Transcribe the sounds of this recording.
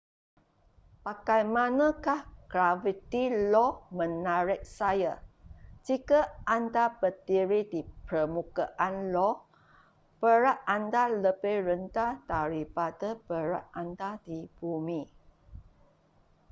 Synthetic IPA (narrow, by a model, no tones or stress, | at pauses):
pakajmanãkahɡ̥ɾavit̪ilɔmə̃naɾɪk̚saja | d͡ʒikaʔand̪abət̪iɾidipəmukaʔanlɔ | b̥əɾaʔandaləbɪhɾənt̪ataɾibadəbəɾa̰ʔandadib̥umi